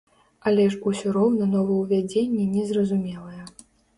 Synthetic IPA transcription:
ɐlʲɛʂusʲɔɾɔwnɐnɔvɐjwvʲad͡zʲenʲːɛnʲɛzrɐzumʲɛlˠɐjɛ

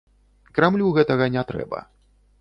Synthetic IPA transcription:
kɾamlʲuɣɛt̪ɐɣɐnʲat̪ɾɛ̰bɐ̰

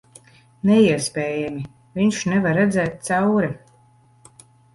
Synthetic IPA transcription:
nɛiɛspʲɛːjɛmʲi | viɲʃnɛvaɾːɛd̪zɛːt̪̚t̪sawɾɛ

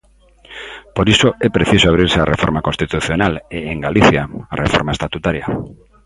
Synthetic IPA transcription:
poɾisoɛpɾeθisoaβ̞ɾiɾsearefoɾmakonst̪it̪uθjonaleeŋɡaliθjaːrʔefoɾmaest̪at̪ut̪aɾja

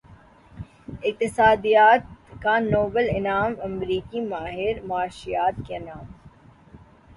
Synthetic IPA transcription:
ɪk̚t̪ɪsaːd̪ijaːt̪kanoːbəlɪnaːmɐmɾiːkimaːɦɪɾmaːʃijaːt̪̚kenaːm

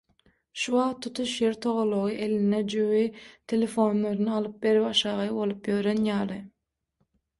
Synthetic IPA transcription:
ʃuwɑʁt̪ʰːut̪ʰuʃjeɾt̪ʰoʁolˠːoʁɯʔelined͡ʒøwit̪ʰelʲefo̞nlˠoɾnɯɑlˠɯp̚be̞ɾiwɑʃɑːʁɑbo̞lˠɯpjøɾenjɑːlˠɯ

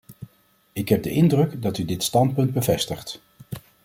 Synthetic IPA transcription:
ɪkɦɛb̚dəʔɪndrɵkdɑtydɪtstɑntpɵnd̚bəvɛstəχt

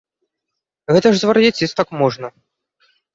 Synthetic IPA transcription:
ɣɛt̪ɐʐzvɐɾjat͡sʲisʲt̪akmɔʐnɐ

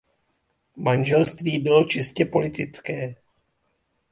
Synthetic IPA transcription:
manʒɛlst̪viːbɪlo̞t͡ʃɪscɛpo̞lɪt̪ɪt͡skɛː

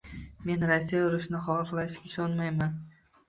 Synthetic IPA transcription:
me̞nɾasːijaʊɾɪʃnɪχɒlqlaʃkʲɪʃɒnmajman

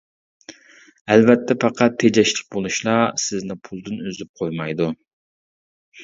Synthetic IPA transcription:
ɛlvɛt̪ʰːɛpɑqʰɑt̪ʰːed͡ʒɛʃlˠɪ̥k̚ʲbolˠuʃlˠɑsɪznɪpʰulˠd̪ɨnøzyp̚qʰojmɑjd̪u

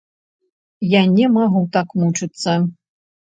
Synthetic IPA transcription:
janʲɛmaɣut̪akmut͡ʂɨt̪sːɐ

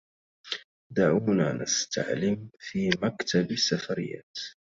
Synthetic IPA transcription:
d̪aʕuːnaːnʔa̰st̪ʰa̰ʕlɪmfiːmakt̪ʰabasːafaɾɪjːa̰ːt̪

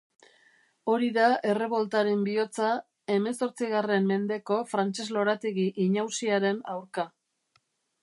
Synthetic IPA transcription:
o̞ɾiðae̞re̞βo̞lt̪aɾe̞mbio̞t͡sa | e̞me̞so̞ɾt͡siɣare̞mːe̞nd̪e̞ko̞fɾant͡ʃe̞zlo̞ɾat̪iɣiʔiɲawsiaɾe̞nawɾka

